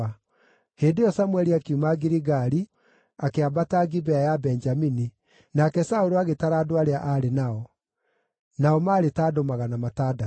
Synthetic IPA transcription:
heːndejɔsamwɛɾiakiumaɡiɾiɣaɾi | akeabataɡibɛajabɛɲd͡ʒamini | nakɛsaoɾoaɣetaɾaːdoaɾeaʔaɾenaɔ | naɔmaːɾetadomaɣanamataːda

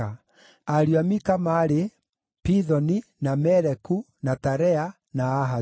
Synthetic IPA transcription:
a | aɾiamikamaɾe | piðɔninamɛɾɛku | nataɾɛa | naːɦa

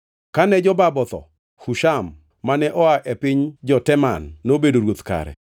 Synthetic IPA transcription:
kanɛd͡ʒɔbabɔt̪ɔ̰ | huʃamː | anɛʔɔaʔepɪɲd͡ʒɔtɛmanːobedoɾwot̪ka̰ɾɛ̰

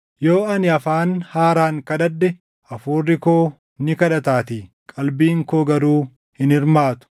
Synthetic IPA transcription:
jo̞ːɐnɪɐfaːnhaːɾaːŋkɐd̪ɐd̪ːɛ | ɐfuːrːɪkoː | nɪkɐᶑɐt̪aːt̪iː | kʼɐlbiːŋkoːɡɐɾuː | hɪnɪɾmaːt̪ʊ̥

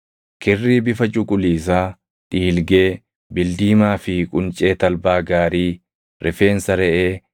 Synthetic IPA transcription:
kɪrːiːbɪfɐt͡ʃʼʊkʼʊliːs̬aː | ᶑ̪ʼiːlɡe̞ː | bɪld̪iːmaːfɪkʼʊnt͡ʃʼe̞ːt̪ɐlbaːɡaːɾiː | ɾʔɛfe̞ːnsɐɾɛʔeː

